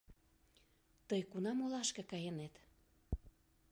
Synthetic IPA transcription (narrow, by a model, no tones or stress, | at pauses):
t̪əjkunɑmolɑʃkĕkɑjənet̪